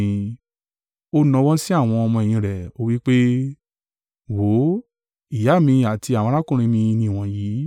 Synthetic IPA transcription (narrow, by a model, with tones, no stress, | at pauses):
ĩ˧ | o˦nɔ̃˧wɔ̃˦si˦a˦˨w̃ɔ̃˧ɔ˧mɔ̃˧˨ĩ˧˨ɾɛ˨o˦wi˦k͡pe˦ | wo˨˦ | i˨ja˨˦˨mĩ˧a˨ti˧a˨wɔ̃˧˦la˦kũ˦˨ɾ̃ĩ˧mĩ˧nĩ˧˨w̃ɔ̃˧jiː˨˦